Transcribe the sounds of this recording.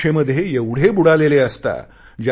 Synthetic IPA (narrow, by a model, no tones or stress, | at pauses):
eməd̪ʱːjejeʋɽ̤ebuɽaleleəst̪a̰ | d͡ʑa